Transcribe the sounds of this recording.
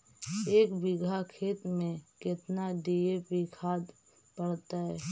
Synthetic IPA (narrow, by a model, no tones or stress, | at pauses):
eːkbɪɡʱakʰeːt̪mẽkɪt̪naɖiepɪkʰaːd̪ | pəɽt̪aɦɛː